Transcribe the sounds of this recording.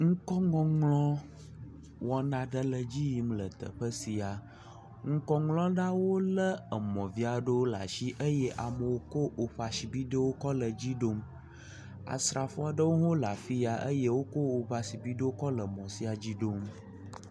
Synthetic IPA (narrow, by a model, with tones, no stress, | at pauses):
ŋ̩˦kɔ˦ŋɔ̃˨ŋlɔ̃˦ | wɔ˦nã˨ɖə˦lə˨d͡ʑi˦ji˨mlə˨t̪ə̰˨ɸə˦si˨a˨ | ŋ̩˦kɔ˦ŋlɔ̃˦ɖã˦wo˦lə˦ə˨mɔ̃˨vi˦a˨ɖə˦wo˦la̰˨ʃi˦ʔə˦jɛ˦ʔa˨mə˨wo˦ko˦ʔo˨ɸa˨si˨bi˦ɖə˦wo˦kɔ˦lə˨d͡ʑi˦ɖo˦m | a̰˨sɾa˨fɔ˦a˨ɖə˦wo˦ɦo˦la˨fi˦a˨ʔə˦je˦wo˦ko˦o˨ɸa˨si˨bi˦ɖə˦wo˦kɔ˦lə˨mɔ̃˨si˦a˨d͡ʑi˦ɖo˦m